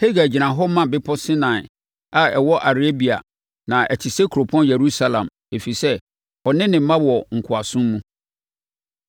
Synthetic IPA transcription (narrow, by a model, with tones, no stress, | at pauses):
he˦ɡa˨d͡ʑi˨nã˨ɦɔ˦mã˦bɪ˦pʰɔ˦sɪ̃˦nã˨ɪ˨ | a˨ɛ˨wɔ˦ʔa˨ɾe˦bi˨a̰˨ | nã˨ʔɛ̰˨tʰɪ˨se˦kʰu˨ɾo˨pʰʊ˦ɔ̃˦njɛ˨ɾu˦sa˦lã̰˨m | e˨fi˨sɛ˦ | ɔ˨nɪ̃˦nɪ̃˨˦mã˦wɔ˨ŋ̩˨kʰʊ˨a˨sʊ̃˦mːũ˦